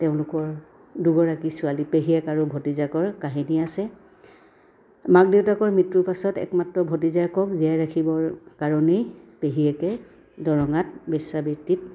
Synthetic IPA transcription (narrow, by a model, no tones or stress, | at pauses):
teʊ̃lʊkɔɹ | duɡɔɹakisʊalipeɦijɛkaɹʊbʱotizakɔɹkaɦiniasɛ | mak̚detakɔɹmitɹupasɔtɛ̰kmatɹɔbʱotizajkɔkzijajɹakʰibɔɹkaɹɔnejpeɦiɛkɛ | dɔɹɔŋatbɛsabitit̚